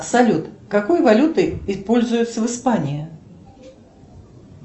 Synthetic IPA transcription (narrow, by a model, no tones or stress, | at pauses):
sɐlʲut̪kɐko̞jvɐlʲut̪ɨɪpo̞lʲzʊjʊt̪sːəvɨspanʲɪɪ